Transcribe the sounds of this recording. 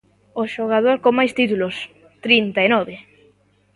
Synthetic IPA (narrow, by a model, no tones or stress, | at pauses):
oʃoɣ̞að̞oɾkomajst̪it̪ulʊs | t̪ɾint̪aenɔβɪ